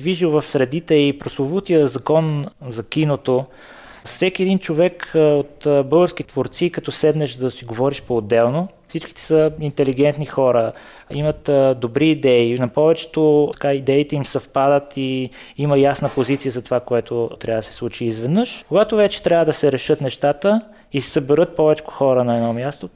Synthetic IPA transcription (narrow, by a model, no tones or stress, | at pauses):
viʒiwvɐfsɾɛd̪it̪ɛipɾoslˠovut̪ijəzɐkɔnzɐkʲinot̪o | sɛkʲiɛd̪int͡ʃovɛkot̪bɤlˠɡəɾskʲit̪voɾt̪sikɐt̪ɔsɛd̪nɛʃd̪ɐsiɡovɔɾiʃpoːd̪ːɛlˠno | sit͡ʃki̥t̪ɛ̥səint̪ɛliɡɛnt̪nixɔɾə | imət̪d̪obɾiːd̪ɛinɐpɔvɛt͡ʃɛ̥t̪oɐ̥kaid̪ɛit̪ɛimsɐfpad̪ət̪i | iməjasnəpozit̪sijəzɐt̪ovakoɛt̪ot̪ɾʔavəd̪əsɛ̥slˠut͡ʃiːzvɛd̪nɤʃkoɡat̪ovɛt͡ʃɛ̥t̪ɾʲjavəd̪ɐsɛɾɛʃɤt̪nɛʃt̪at̪ə | isəbɛɾɤt̪̚pɔvɛt͡ʃkʊ̥xɔɾənɐɛd̪nɔmjast̪o